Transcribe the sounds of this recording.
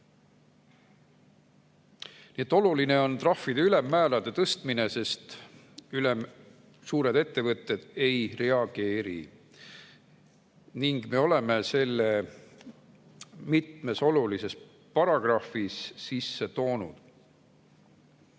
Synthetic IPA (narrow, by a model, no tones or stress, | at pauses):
nie̞t̪ːˑo̞luline̞o̞nt̪rɑfːid̪eyle̞mːæːlɑd̪̥e̞t̪ɤst̪mine̞se̞st̪ | ylem | suːɾe̞d̪e̞t̪ːe̞vɤt̪ːˑe̞d̪̥e̞jre̞ɑɡ̥e̞ːɾḭ | niŋɡ̥me̞o̞le̞me̞se̞lːe | mit̪me̞so̞lulise̞s | pɑɾɑɡ̥rɑfisːisːe̞t̪o̞ːnṵd̪̥